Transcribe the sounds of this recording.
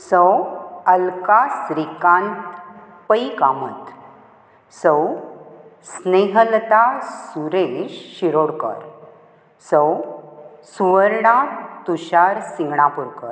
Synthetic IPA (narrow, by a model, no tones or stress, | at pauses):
səwəlkasɾikãnt̪ | pəikamət̪ | səw | sneɦəlt̪asuɾeɕɕiɾoɽkə̰ɾ | səw | suʋəɾɽat̪uɕaɾsiŋɡɳapuɾkəɾ